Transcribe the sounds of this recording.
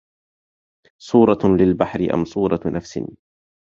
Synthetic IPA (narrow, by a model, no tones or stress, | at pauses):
sˤuːɾˤɑlɪlbaħɾɪʔa̰msˤuːɾˤɑnafsɪ̰n